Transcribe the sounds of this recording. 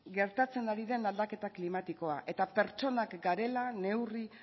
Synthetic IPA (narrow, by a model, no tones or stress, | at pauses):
ɡe̞ɾt̪at͡se̞naɾiðe̞nald̪ake̞t̪aklimat̪iko̞aʔe̞t̪ape̞ɾt͡ʃo̞nakɡaɾe̞lane̞wri